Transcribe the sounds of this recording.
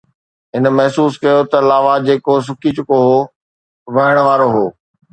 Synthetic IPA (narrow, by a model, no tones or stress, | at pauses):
ɦɪnmɐɦsuːskɐjot̪ɐlaːʋad͡ʑeːkos̬ʊkʰit͡ɕʊkoɦoː | ʋɐɦəɽ̃̆ʋaːɾoɦoː